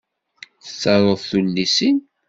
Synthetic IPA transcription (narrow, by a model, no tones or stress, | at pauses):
θə̥t͡ssːɑɾˤəðθulːisin